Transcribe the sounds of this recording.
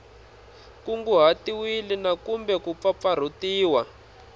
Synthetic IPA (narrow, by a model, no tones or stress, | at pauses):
kuŋɡuɦatiwilinakumbɛkup̪fap̪far̤utiːwa